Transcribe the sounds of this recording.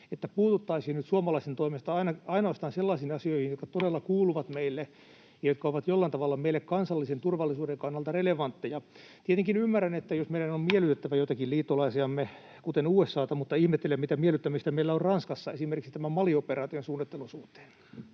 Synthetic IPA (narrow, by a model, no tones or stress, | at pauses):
et̪ːæpuːt̪ut̪ːɑisiːnnyt̪suɑmɑlɑist̪ent̪oimest̪ɑɑinɑɑinoːst̪ɑːnselːɑisiːnɑsioihinjot̪kɑt̪odelːɑkuːluʋɑt̪meilːe | jɑjot̪̚kɑoʋɑt̪jolːɑint̪ɑʋɑlːɑmeilːekkɑnsɑlːisent̪urʋɑlːisuːdeŋkɑnːɑlt̪ɑreleʋɑnt̪ːejɑ | t̪iet̪eŋkinymːærænet̪ːæjosmeiɾænommiɛlyt̪et̪ːæʋæjot̪ɑkilliːt̪ːolɑisiɑmːe | kut̪enuːesːɑːt̪ɑmut̪ːɑihmet̪ːelemmit̪æmieɛlyt̪ːæmist̪æmeilːæorrɑnskɑsːɑesimerkiksit̪æmæmɑlioperɑːt̪ionsuːnːit̪ːelusuht̪ːˑe̥ːn